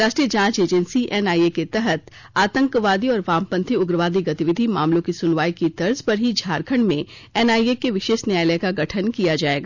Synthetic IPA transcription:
ɾaːʃʈɾijəd͡ʒãːt͡ʃeːd͡ʒənsiʔɛnaːieket̪ɛɦət̪ | aːt̪ə̃ŋkʋaːd̪iɔːɾʋãːmpə̃nt̪ʰiʊɡɾəʋaːd̪iɡɐt̪iʋɪd̪ʱimaːmlõkisʊnʋaːikit̪ɐɾzpɐɾɦid͡ʒʱaːɾkʰəɳmẽ | ɛnaːiekeʋɪʃeːʃnjaːjləjkaɡɐʈʰənkijad͡ʒaːeːɡaː

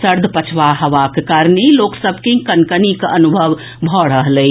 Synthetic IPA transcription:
səɾd̪ʱpət͡ʃʰʋaɦəʋakekaɾneloksəbʱkekənkənikənubʱəʋ | bʱɔɽəɦlə

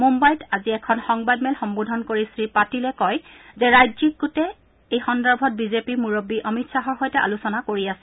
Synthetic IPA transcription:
mumbajtaziɛkʰɔnxɔŋbadmɛlxɔmbodʱɔnkoɹisɹipatilɛkɔjzɛɹajzik̚ɡutɛ | ejxɔndaɹbʱɔt̚bizepimuɹobːiʔɔmitsaɦɔɹxojtɛʔa̰lusɔnakoɹiasɛ

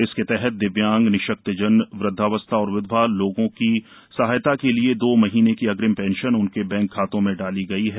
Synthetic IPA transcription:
ɪsket̪ɛɦɛt̪̚d̪ɪʋjãːŋɡnɪʃək̚t̪əd͡ʒənʋɾɪd̪ʱːaʋəst̪ʰaɔːɾʊʋɪd̪ʱbaloːɡõki | sɐɦaːjt̪akelied̪oːmɐɦiːnekiɐɡɾɪmpɛ̃ːnʃənʊnkebɛ̃ːŋkʰːaːt̪õmẽɖaːliɡɐiɦɛː

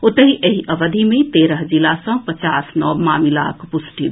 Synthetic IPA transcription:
ot̪əɦiʔeɦiʔəʋəd̪ʱimet̪eɾəɦd͡ʒilasə̃pət͡ʃasnɔbmamila̰kpusʈi

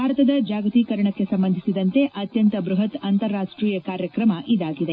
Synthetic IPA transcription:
bʱaːɾɐt̪ɐd̪ɐd͡ʒaːɡɐt̪iːkɐɾɐɳɐkːe̞sɐmbɐnd̪ʱisid̪ɐnt̪e̞ʔɐt̪jɐnt̪ɐbɾuɦɐt̪ɐnt̪ɐɾːaːʂʈɾiːjɐkaːɾjɐkɾɐmɐʔid̪aːɡid̪e

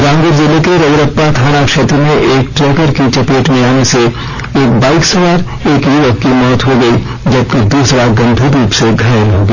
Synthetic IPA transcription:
ɾãːŋɡʊɾzɪlekeɾɐɡɾəpːat̪ʰaːnakʃeːt̪ɾəmẽʔeːk̚ʈɾeːkəɾkit͡ʃɐpeːʈmẽaːnese | eːk̚baːɪksɐʋaːɾ | eːkiʋəkkimɔːt̪ɦoɡɐi | d͡ʒɐb̚ked̪uːsɾaɡɐ̃nd̪ʱiɾuːpseɡʱaːɾɦoːɡa

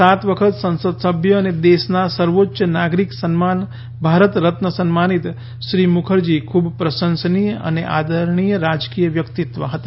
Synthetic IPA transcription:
sat̪ʋəkʰət̪sə̃nsəd̪səbʱjəːned̪esnasəɾʋotːʃənaɡɾiksənman | bʱaɾət̪ɾət̪nəsənmanit̪ | ʃɾimukʰəɾd͡ʒikʰubpɾəsənsənijə̰nḛʔa̰d̪ʱəɾɳ̃ijəɾad͡ʒkijəʋjəkt̪it̪ʋə̰ɦət̪a

